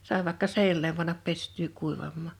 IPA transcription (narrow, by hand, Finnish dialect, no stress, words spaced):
sɑˑe ʋɑˑĕkːɑ seinælem pɑnːɑp pestˑyː kuiʋɑmːɑˑ